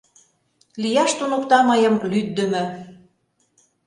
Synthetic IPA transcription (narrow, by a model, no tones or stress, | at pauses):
lijɑʃt̪unukt̪ɑmɤjɤ̆mlyd̪̚d̪ə̆mɘ̆